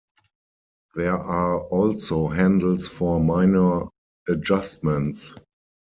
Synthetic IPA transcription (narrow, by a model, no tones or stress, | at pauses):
ðɛʔaɔlsoɦæ̃ndl̩sfɔmaɪnə˞ | əd͡ʒastmɛ̃nts